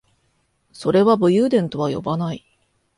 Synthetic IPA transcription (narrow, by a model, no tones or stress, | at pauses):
so̞ɾe̞βabɯ̟jɯːd̪ẽ̞nt̪o̞βajo̞̰banai